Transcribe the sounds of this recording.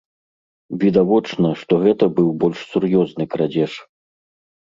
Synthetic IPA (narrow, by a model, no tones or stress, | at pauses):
vʲid̪avɔt͡ʂnɐʂt̪ɔɣɛt̪ɐbɨwbɔlʲʂsurjɔznɨkɾad͡zʲɛʂ